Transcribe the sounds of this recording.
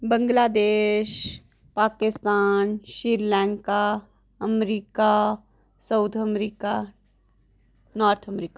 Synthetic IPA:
bə̃ŋɡlaːd̪eːʃ | paːkɪst̪aːnʃiɾlɛ̃ːŋka | əmɾiːka | səʊt̪ʰəmɾiːka | naːɾt̪ʰəmɾiːka

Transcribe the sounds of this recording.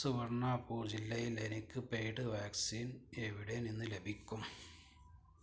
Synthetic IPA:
suʋɐrɳːaːpuːd͡ʑilːɐjilenikʲːɨpejʈɨʋaːksiːneʋiɽeninːɨle̞bʱikʲːum

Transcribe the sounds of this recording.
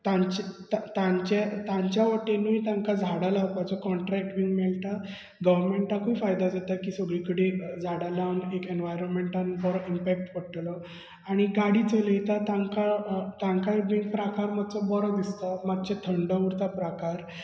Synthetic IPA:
t̪ãt͡ɕt̪t̪ãɲt͡ɕet̪ãɲt͡ɕjaʋəʈenujt̪ãŋkad͡zʱaɽalawpat͡sɔkɔɳʈɾɛk̚ʈbiŋɡmɛɭt̪a | ɡəʋəɾmeɳʈakuːfajd̪ad͡zat̪akiːsəɡɭikəɽed͡zʱaɽalanekenʋajɾɔnmeɳʈanbɔɾɔimpæk̚ʈʋəɽʈlɔ | aɽ̃iɡaɽiːt͡sələit̪at̪ãŋkat̪ãŋkaibiŋɡpɾakaɾmad̪t͡sɔbɔɾɔd̪ist̪amad̪t͡ɕet̪ʰəɳɖəuɾt̪apɾakaɾ

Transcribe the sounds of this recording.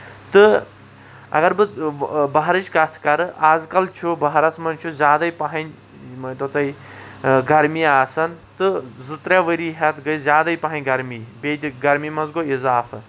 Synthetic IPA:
t̪ɨ | ɐ̰ɡɐɾbɨbɐɦɾɨt͡ʃʰkɐt̪ʰkɐɾɨaːzkɐlt͡ʃʰubɐɦɾɐt͡smɐnt͡ʃʰuzjaːd̪ɐjpɐɦɐnʲ | t̪ot̪ɐi | ɡɐɾmiaːsɐnt̪ɨzɨt̪ɾaʋəɾiɦɐt̪ʰɡɨjzjaːd̪ɐjpɐɦɐnʲɡɐɾmibed̪ɡɐɾmimɐzɡoizaːfʰɨ

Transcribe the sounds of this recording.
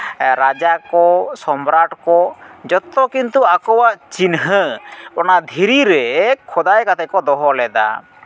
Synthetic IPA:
ɾad͡ʒakɔsɔmɾaʈkɔd͡ʒɔt̪ɔkint̪uakɔwaʔt͡ʃinɦəbɔnad̪ʱiɾiɾɛkʰɔd̪ajkat̪ʰɛkɔd̪ɔɦɔlɛd̪a̰

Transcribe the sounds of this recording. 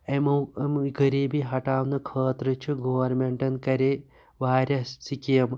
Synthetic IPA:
emmɡɐɾiːbiɦɐʈaːʋnɨkʰɐːt̪ɾɨt͡ʃʰiɡoʋɐɾmeɳʈɐnkɐɾe | ʋaːɾʲɐssikijɐm

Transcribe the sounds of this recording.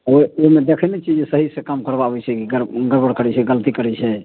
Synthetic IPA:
ooimed̪ekʰənet͡ʃid͡ʒsəɦisekamkəɾbabɛt͡ʃʰɛkiɡəɾɡəɾbəɽkəɾɛt͡ʃʰɛɡəlt̪ikəɾɛt͡ʃʰɛ

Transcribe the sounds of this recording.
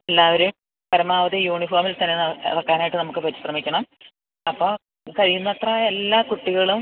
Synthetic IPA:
elːaːʋɐɾum | pɐɾɐmaːʋɐðijuːɳifoːrmilt̪ɐnːenɐ̰ðɐkːaːnaːjiʈːɨnɐmukːɨpɐtːi̥ɕrɐmikʲːɐɳɐm | ɐpːoː | kɐɻijunːɐt̪raːjelːaːkuʈːiɣɐɭum

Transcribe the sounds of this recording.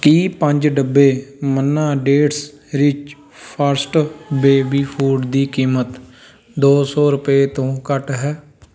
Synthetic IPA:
kiːpəɲd͡ʒɖəbːeːmənːãːɖeːʈs | ɾɪt͡ʃ | pʰəɾsʈbeːbiːpʰuːɖd̪iːkiːmət̪ | d̪oːsɔːɾʊpeːt̪õːkəʈɦɛː

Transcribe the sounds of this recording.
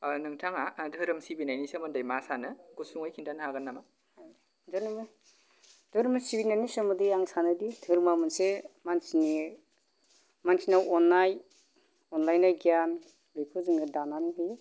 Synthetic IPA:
nɯŋtʰaŋadʱɯɾɯmsibinajnisemɯndajmasanɯɡusuŋajkʰintʰanhaɡanːama | haj | dɯnm | d̥ʱɯɾɯmɯsibinajnisɔmɯdiaŋsanɯditʰɯɾmamɯnsemansini | mansʰinawɔnːaj | ɔnlajnajɡian | lijkʰɯzɯŋɯdananɦɯj

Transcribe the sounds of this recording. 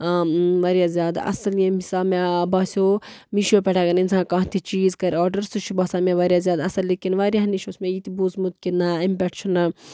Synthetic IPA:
ʋɐɾjazʲjaːd̪aɐ̰sɐljẽmisaːmebɐːsʲoː | miʃopʲɛʈʰaːɡɐninsʰãːkãːɦt̪ʰit͡ʃiːzkɐɾʲaːɾɖɐɾsut͡ʃʰubɐsaːmẽʋɐːɾʲjaːzʲjaːd̪ɐsɐlːikinʋaːɾjaniʃoːsmẽjit̪ibuzmut̪̚kinːaimpɛʈt͡ʃʰun

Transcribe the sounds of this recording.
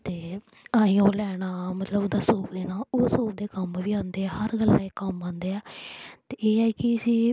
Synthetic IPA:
t̪eːaːĩoːlɛːɽ̃aːmət̪ləbd̪aːsoːpd̪eːnaːoːsoːp̚d̪eːkəmʋiːãːnd̪eːɛːhəɾɡəlːa̰ːeːkəmãːnd̪eːɛːt̪eːeːɛːkɪəsiː

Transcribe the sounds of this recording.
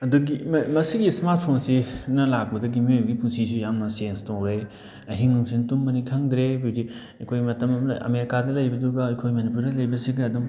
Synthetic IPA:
ɐduɡimmɐsiɡismaɾt̚ʰpʰonsinɐlak̚bɐdɐɡimiojbɐɡipʰusisujaŋnɐsienstowɾe | ɐɦiŋnuŋsintumːɐniŋtʰaŋdɾebidi | ɐkʰojmɐtɐmɐɐ̰meɾikadɐlɐjbɐduɡɐɐjkʰojmɐnipuɾdɐlɐjbɐsiɡɐɐdum

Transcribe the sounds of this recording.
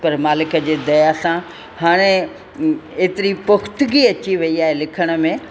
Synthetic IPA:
pɐɾmaːlɪkə̆d͡ʑeːd̪ɐjasã | haːɽ̃e | eːt̪ɪɾipʊxt̪ɡiɐt͡ɕiʋɐiaːɦelɪkʰəɽ̃ə̆mẽ

